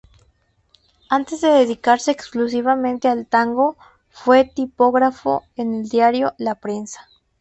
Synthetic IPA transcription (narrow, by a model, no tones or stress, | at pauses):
ant̪ezðeðeðikaɾseːksklusiβamẽnt̪ealt̪aŋɡo | fwet̪ipoɣɾafo̰eneld̪jaɾjolapɾensḁ